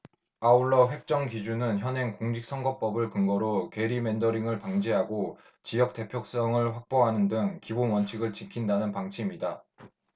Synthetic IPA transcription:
auɭːʌɸwe̞k̚t͡ɕ͈ʌŋkid͡ʑunɯnçjʌnɦe̞ŋkoŋd͡ʑik̚s͈ʰʌŋɡʌp͈ʌbɯɭkɯŋɡʌɾoke̞ɾime̞ndʌɾiŋɯɭpaŋd͡ʑeɦaɡo | t͡ɕijʌk̚t͈e̞pʰjok̚s͈ʌŋɯɭɸwak̚p͈oɦanɯndɯŋkibonwʌnt͡ɕʰiɡɯɭt͡ɕikʰindanɯnpaŋt͡ɕʰimida

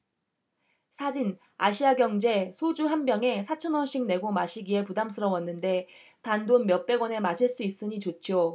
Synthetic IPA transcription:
sʰad͡ʑin | aɕʰiaɡjʌŋd͡ʑe̞sʰod͡ʑuɦanbjʌŋe̞sʰat͡ɕʰʌnwʌɕ͈iŋ̚ne̞ɡomaɕʰiɡie̞pudamsʰɯɾʌwʌnːɯnde̞ | tandonmjʌp͈e̞ɡwʌne̞maɕʰiɭs͈uis͈ɯɲit͡ɕot͡ɕʰjo

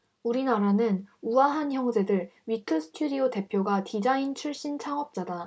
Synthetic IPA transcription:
uɾinaɾanɯnuwaɦançjʌŋd͡ʑe̞dɯɭɥitʰɯsʰɯ̥tʰudiote̞pʰjoɡatid͡ʑaint͡ɕʰuɭɕ͈int͡ɕʰaŋʌp̚t͡ɕ͈ada

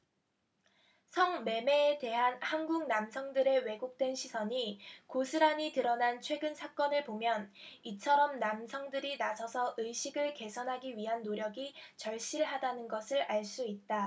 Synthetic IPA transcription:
sʰʌŋme̞me̞ːte̞ɦanhanɡuŋnamsʰʌŋdɯɾe̞we̞ɡok̚t͈we̞nɕʰisʰʌɲikosʰɯɾaɲitɯɾʌnant͡ɕʰwe̞ɡɯnsʰak͈ʌnɯɭpomjʌnit͡ɕʰʌɾʌmnamsʰʌŋdɯɾinasʰʌsʰʌʔɯjɕʰiɡɯɭke̞sʰʌnɦaɡiɥiɦanːoɾjʌɡit͡ɕʌɭɕ͈iɭɦadanɯnɡʌsʰɯɾaɭs͈uit̚t͈a

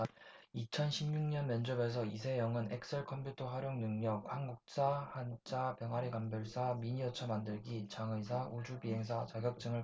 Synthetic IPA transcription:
it͡ɕʰʌnɕʰimɲuŋɲʌnmʌnd͡ʑʌme̞s̬ʰʌis̬ʰe̞jʌŋɯne̞k̚s͈ʰeɭkʰʌmpʰjutʰʌɦaɾjoŋnɯŋɲʌk̚haŋɡuk̚s͈ahant͡ɕ͈ʰapjʌŋɦaɾikambjʌɭs͈amiɲiʌt͡ɕʰʌmandɯɭɡit͡ɕaŋɯis̬ʰaʔud͡ʑubiɦe̞ŋs̬ʰat͡ɕaɡjʌk̚t͡ɕ͈ɯŋɯɭ

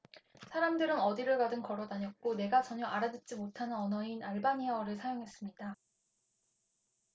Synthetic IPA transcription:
sʰaɾamdɯɾɯnʌdiɾɯɭkadɯnkʌɾʌdaɲʌt̚k͈one̞ɡat͡ɕʌɲʌʔaɾadɯt͡ɕ͈imotʰanɯnʌnʌinaɭbaɲiʌɾɯɭsʰajoŋɦe̞s͈ɯmɲida

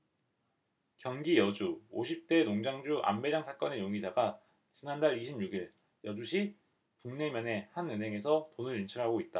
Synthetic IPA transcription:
kjʌŋɡijʌd͡ʑuoɕʰip̚t͈e̞noŋd͡ʑaŋd͡ʑuʔa̰mbe̞d͡ʑaŋsʰak͈ʌne̞joŋɡid͡ʑaɡa | t͡ɕinandaɭiɕʰimɲuɡiɭ | jʌd͡ʑuɕʰi | puŋne̞mjʌne̞hanɯnɦe̞ŋe̞sʰʌtonɯɾint͡ɕʰɯɾɦaɡoit̚t͈a

